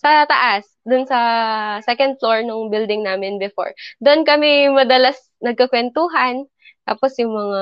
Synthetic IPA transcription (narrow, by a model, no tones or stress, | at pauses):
sɐt̪ɐʔas | d̪ʊnsɐsɛkɐnd̪̚floɹnʊŋbɪld̪ɪŋnaːmɪnbɛfo̰ɹd̪oʔnkɐmɪmɐd̪ɐlas | nɐɡ̚kɐkwɛnt̪uːɦɐn | t̪a̰ːposjʊŋmɐŋa